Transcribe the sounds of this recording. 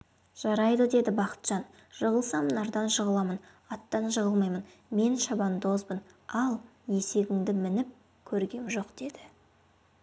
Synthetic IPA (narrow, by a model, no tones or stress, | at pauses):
ʒ̥ɑɾɑjd̪əd̪e̞d̪ɪbɑqə̥t̪ʒ̥ɑn | ʒ̥əʁəlˠsɑmənɑɾd̪ɑnʃəʁəlˠɑmən | ɑt̪ːɑnʒəʁəlˠmɑjmən | me̞nʃɑbɑnd̪o̞zbən | ɑlˠje̞se̞bɪŋd̪ɪmɪnɪp̚ | kʲʰɵɾɡʲe̞mʒo̞qd̪̥e̞d̪ɪ